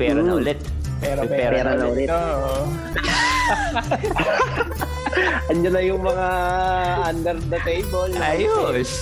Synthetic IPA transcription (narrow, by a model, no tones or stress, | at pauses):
pɛːɾɐɐʔʊlɛt̪̚ | pɛɾpɛːɾɛɾnɐʊlɛoʔ | ɐnd͡ʒɐnɐjʊŋmɐŋaʔand̪ɛɾd̪ɐt̪ejbolɐjo